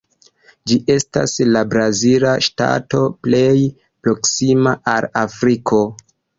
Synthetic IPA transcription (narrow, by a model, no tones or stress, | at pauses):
d͡ʒiʔe̞sta̰slabɾazilaʃta̰to̞ple̞j | pɾo̞ksimaʔalafɾikʰo̞